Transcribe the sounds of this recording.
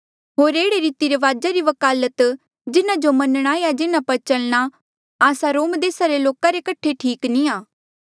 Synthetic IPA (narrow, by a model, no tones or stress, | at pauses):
ɦoːɾeːɽeɾiːt̪iɾeʋaːd͡ʒaɾiʋɐkaːlət̪ | d͡ʒɪnãd͡ʒomɐnɽ̃aːejad͡ʒɪnãpɐɾt͡ʃɐlɽ̃a | aːsaɾoːmd̪eːsaɾeloːkaɾekɐʈʰeʈʰiːknĩaː